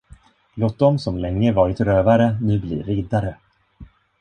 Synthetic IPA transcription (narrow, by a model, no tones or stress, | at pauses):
loːt̪̚d̪ɔmsɔmlɛŋːəvɑːɾɪt̪ɾøːvaɾənʉ̟ːblḭːɾɪːd̪aɾə